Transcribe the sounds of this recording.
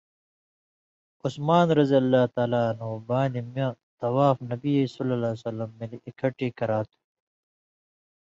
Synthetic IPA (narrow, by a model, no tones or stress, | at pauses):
usmaːnɾɐzijɐlːaːt̪aːlaːɐnɦubaːnimɐ̃t̪ɐwaːfnɐbiesulːɐlaːsɐlːɐmːeliikʰɐʈiːkɐɾaːt̪ʰu̥